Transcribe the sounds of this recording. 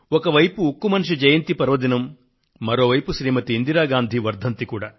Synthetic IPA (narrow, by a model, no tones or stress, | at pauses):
ɔkɐʋɐjpuokːumɐnʂ̬id͡ʒɐjɐnt̪ipɐɾʋɐd̪inɐmː | ɐɾo̞ːʋɐjpuʃɾiːmɐt̪iːnd̪iɾaːɡaːnd̪ʱiʋɐɾd̪ʱɐnt̪ikuːɽaː